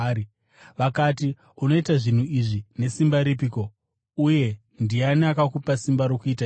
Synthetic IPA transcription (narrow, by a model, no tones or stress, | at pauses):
ʋakati | uno̞itaʐin̤uiʐine̞simbaɾipiko̞ | uje̞ | ndianakakupasimbaɾokuitai